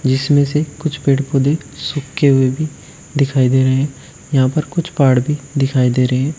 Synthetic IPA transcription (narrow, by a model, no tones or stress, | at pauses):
d͡ʒɪsmẽsekʊt͡ʃʰpeːɽpod̪e | sʊkːeɦʊebʱi | d̪ɪkʰaːid̪eːɾɐɦeɦɛ̃ | jɐɦãːpəɾkʊt͡ʃʰpaːɽbʱid̪ɪkʰaːid̪eːɾəeɦɛ̃ː